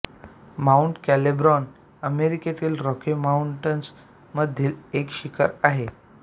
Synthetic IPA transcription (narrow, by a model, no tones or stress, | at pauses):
mauɳʈkælebɾɔn | əmeɾiket̪iːlɾɔkemauɳʈəns | məd̪ʱːjiːlekɕikʰəɾaɦe